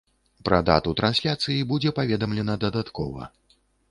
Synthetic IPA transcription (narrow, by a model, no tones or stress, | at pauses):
pɾɐ̰d̪a̰t̪ut̪ɾansʲlʲat̪sɨjibud͡zʲɛpavʲɛd̪ɐmlʲɛnɐd̪ɐd̪at̪kɔvɐ̰